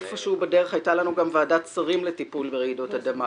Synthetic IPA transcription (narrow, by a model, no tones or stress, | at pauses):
efoʃeubede̞ʁe̞χajtalanuɡamvaːdat͡saʁimletipulbeʁeɡido̞tad̪ama